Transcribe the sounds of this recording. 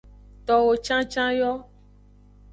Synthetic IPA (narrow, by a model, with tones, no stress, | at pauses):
t̪ɔ˨wo˨t͡ʃã˦t͡ʃã˦jɔ˦